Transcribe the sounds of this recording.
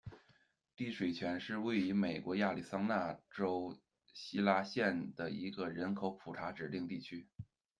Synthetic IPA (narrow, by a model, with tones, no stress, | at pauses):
t̪i˥˩ʂwe˨˩ɪt͡ɕʰɥɛ˧˥nʂɻ̩˥˧we˥˩ɪy˧˥me˨˩ɪkwɔ˧˥ja˥˩li˨˩sɑ˥ŋna˥˩ʈ͡ʂo˥ʊ | ɕi˥la˥ɕjɛ˥˩nd̪ə˩i˧˥ɡə˧ɻə˧˥nkʰo˧˥ʊpʰu˨˩ʈ͡ʂʰa˧˥ʈ͡ʂɻ̩˨˩li˥˧ŋt̪i˥˩t͡ɕʰy˥